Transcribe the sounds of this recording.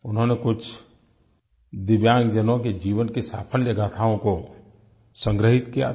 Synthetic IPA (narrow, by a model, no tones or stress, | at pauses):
ʊnɦõnekʊt͡ʃʰ | d̪ɪʋjãːŋɡd͡ʒənõked͡ʒiːʋənkesaːpʰəljɐɡat̪ʰaːõko | sə̃ŋɡɾəɦɪt̪kija̰